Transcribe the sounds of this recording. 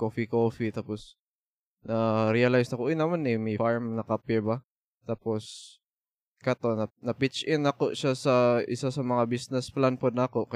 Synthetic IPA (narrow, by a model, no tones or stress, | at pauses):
koːfikoːfit̪aːpos | nɐɾiɐlajsnɐkoʔojnɐmanʔɛmɐjfaɹmnɐkapɪɹba | t̪aːpos | kɐt̪o̞nɐnɐpɪt͡ʃʔɪnɐkoʃasɐʔɪ̰sasɐmɐŋabisnɛsplanpod̪̚nɐako̞kɐ